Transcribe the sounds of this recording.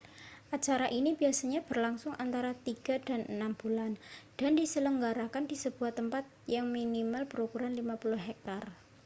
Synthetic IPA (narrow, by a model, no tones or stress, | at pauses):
ʔat͡ʃaɾaʔinib̥iasaɲab̥ərlaŋsʊŋʔant̪aɾat̪iɡ̥a̤d̥a̤nənamb̥uland̥andisələŋɡaɾakandisəb̥uaht̪əmpat̪̚jaŋminimalb̥əɾukuɾanlimapulʊɦɛk̚t̪ar